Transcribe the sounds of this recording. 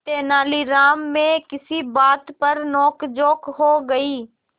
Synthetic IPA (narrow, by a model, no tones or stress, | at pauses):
t̪eːnaːliɾaːmːẽkɪsibaːt̪pɐɾnɔːkd͡ʒoːkɦoɡɐiː